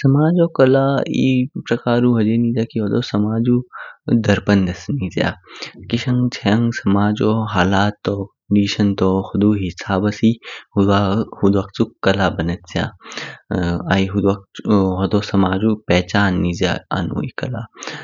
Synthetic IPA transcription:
sɐmaːd͡ʒoːkɐlaːipɾɐkaːɾuːɦɐd͡ʒenizaːkiɦoːd̪oːsɐmaːd͡ʒud̪ɐɾpɐnd̪ɐsniːzja̰ːkiʃɐŋɡt͡ʃʰɐjɐŋɡsɐmaːd͡ʒoːɦaːlaːt̪ːoːkəɳɖiːʃɐnt̪oːxʊd̪uːɦisaːbɐsihuahud̪ʋak̚t͡sukɐlaːbɐnɐt̪sjã̰ː | aiɦud̪ak̚ɦɔd̪oːsɐmaːd͡ʒuːpɛːt͡ʃaːnːizja̰a̰nṵːḭːkɐlaː

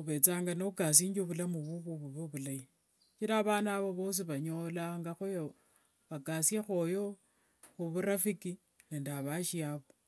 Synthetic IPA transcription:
uβe̞t͡saːŋɡanoukas̬iːɲd͡ʒoβulamuβuβoβuβoβulai | t͡ʃiɾaːβanaβoβos̬iβaɲolaŋɡaxojo | βakasjexojo | xuβuɾafiki | neːndiaβaʃiaβo

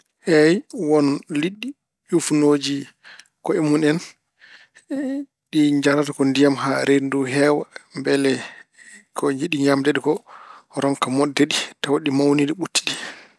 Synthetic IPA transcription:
hɛjwɔnliɗːi | jufnoːd͡ʒi | kɔɛmunɛn | ɗid͡ʒaɾatakɔndijamɦaɾenduɦɛwambɛlɛ | kʰɔɲd͡ʒiɗiɲamdɛɗikɔɾɔŋkamɔdːɛɗitawaɗimawniɗiɓutːi̥ɗi

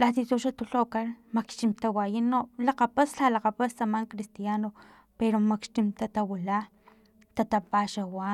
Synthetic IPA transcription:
lat̪it̪uʃat̪uɬokaɾmakʃt͡ʃimt̪awajinolaqapasɬalaqapast̪amaŋkɾist̪jano | peɾomakʃt̪imt̪at̪awila | t̪at̪apaʃawa

